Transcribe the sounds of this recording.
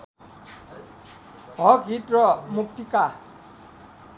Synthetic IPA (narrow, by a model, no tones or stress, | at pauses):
ɦɔɡʱitɹɔmuk̚tika